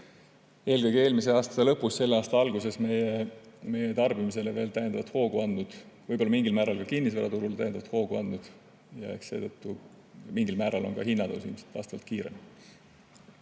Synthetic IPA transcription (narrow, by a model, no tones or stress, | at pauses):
e̞ːlɡ̥ɤjɡ̥e̞ːlmis̬e̞ɑːst̪ɑ̥elɤ̞pːusse̞lːeɑːst̪ɑɑlɡ̥use̞sme̞jeme̞jet̪ɑrb̥imis̬e̞leve̞ːlt̪æjed̪ɑvɑt̪ho̞ːɡ̥uɑnd̪ud̪̥vɤjbolːɑmiŋɡilmæːɾɑlkɑkinːis̬væɾɑ̰t̪uɾult̪æjed̪ɑvɑt̪ho̞ːɡ̥uɑ̰nd̪ud̪̥ | jɑ̰e̞̰kse̞̰ːd̪̥ɤt̪ːu | miŋɡilmæːɾɑlo̞nkɑɦinːɑd̪owsḭlmse̥t̪ɑ̰ːst̪ɑvɑ̰lt̪kiːɾe̞̰m